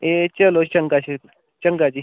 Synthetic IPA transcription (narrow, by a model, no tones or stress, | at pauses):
et͡ʃɐlot͡ʃɐŋkaɕi | t͡ʃɐŋkad͡ʒi